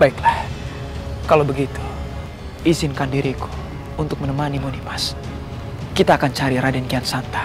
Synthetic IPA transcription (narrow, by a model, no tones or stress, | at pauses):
baiklah | kalawbəɡit̪u̥ | izɪnkandiɾiku̥ | unt̪ʊk̚mənəmanimunimas | kit̪aːkant͡ʃaɾiɾadɛnkiansant̪ḁ